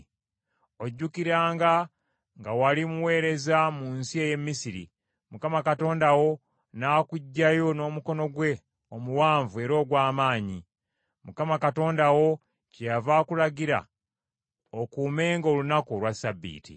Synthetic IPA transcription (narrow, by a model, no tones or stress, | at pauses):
o̞ɟːukiɾaːŋɡa | ŋɡawalimuwe̞ːɾe̞zamunsie̞je̞mːisiɾḭ | mukamakato̞ːndawo̞ | naːkuɟːajo̞no̞ːmuko̞no̞ɡwe̞ | omuwaːɱvue̞ɾo̞ːɡwaːmaːɲi | mukamakato̞ːndawo̞ | cejavaːkulaɡiɾa̰ | okuːme̞ːŋɡo̞lunakolwasabːḭːtḭ